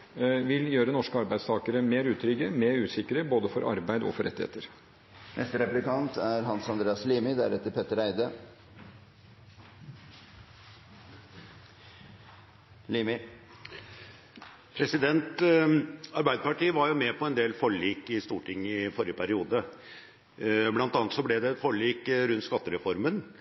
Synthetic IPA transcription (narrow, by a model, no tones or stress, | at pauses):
ʋɪljøːɾənɔʂkəɑɾbæɪst̪ʰɑːkəɾəmeːɾʉːt̪ʰɾʏɡəmeːɾʉːsɪkːəɾəboːd̪əfɔɾʔɑ̰ɾbæɪd̪əɔ̰fɔɾʔɛt̪ːɪhḛːt̪əɾ | nɛ̰st̪əɾɛplɪkɑnt̪ʰæɾɦɑnsɑnd̪ɾeːɑsliːmɪd̪æ̰ɾɛt̪ːəɾpʰɛt̪ːəɾæɪd̪ə | liːmɪ | pʰɾɛsɪd̪ɛnt̪ | ɑɾbæɪd̪əpɑʈiːəʋɑɾjʊmɛpʰɔɛnd̪eːlfɔɭiːkɪst̪uːʈʰɪŋːɪfɔɾjəpʰæɾɪuːd̪ə | blɑnt̪ɑːnt̪sɔblɛd̪ɛt̪fɔɭiːkɾʉnt̪skɑt̪ːəɾɛfɔɾmən